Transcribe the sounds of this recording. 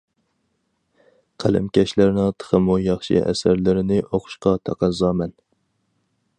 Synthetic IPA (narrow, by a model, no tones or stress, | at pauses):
qʰælɪ̰mkʲɛʃlæɾnɨŋt̪ʰə̥χəmujɑχʃḭʔɛ̰sæɾlɪɾɪnɪʔoqʰʊ̥ʃqɑt̪ʰɑqɑzɑːmɛn